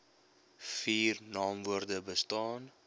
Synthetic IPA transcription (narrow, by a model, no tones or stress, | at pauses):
fiːrnɑːmvuərdəbəstɑːn